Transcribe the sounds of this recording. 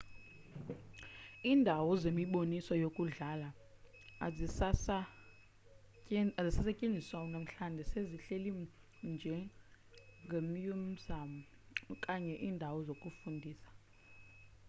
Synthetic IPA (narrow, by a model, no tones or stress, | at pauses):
iːndʱawɔzemiɓonisɔjokʼuɮala | a | zisasacʼend͡zʱiswawɔnam̩ɬandʱɛseziɬeli | nd͡ʒʱɛ | ŋɡʱemjom̩zamu | kʼaɲɛʔiːndʱawɔzokʼufundʱiːsḁ